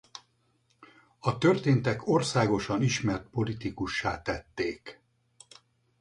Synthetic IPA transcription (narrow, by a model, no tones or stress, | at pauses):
ɒt̪ø̞rt̪eːnt̪ɛko̞rsaːɡo̞ʃɒniʃmɛrt̪̚po̞lit̪ikuʃːaːt̪ɛt̪ːeːk